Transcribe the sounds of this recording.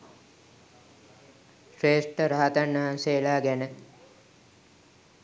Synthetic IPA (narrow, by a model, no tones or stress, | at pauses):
ʃreːsʈəɾaɦat̪anːəɦanselaːɡænə